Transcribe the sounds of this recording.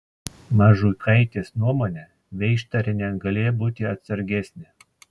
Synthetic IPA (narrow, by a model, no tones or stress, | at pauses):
mɑːʒuːkɐɪt̪ʲeːsnuɔmoːnʲɛ | ʋʲɛɪʃt̪ɐɾʲɪnʲɛɡɐlʲeːjbuːt̪ʲɪɐt̪sɐɾʲɡʲɛsʲnʲɪ